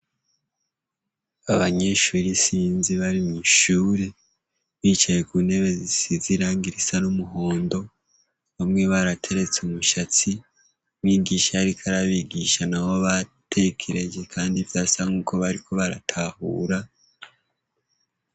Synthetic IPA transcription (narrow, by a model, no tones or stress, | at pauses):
aβaɲe̞ʃuːɾisiːnziβaɾimiʃuːɾe | βiːt͡ʃajekune̞βe̞zisiziɾaːŋɡiɾisanumuɦo̞ːndo̞ | βamŋe̞βaɾatʰe̞ɾe̞t͡sumuʃat͡si | wiːɡiʃaaɾikʰaɾaβiɡiʃanaho̞βatʰe̞kʰe̞ɾe̞d͡ʒe̞kʰaːndivjaːsaŋuːko̞βaɾikʰo̞βaɾa̰tʰahṵːɾa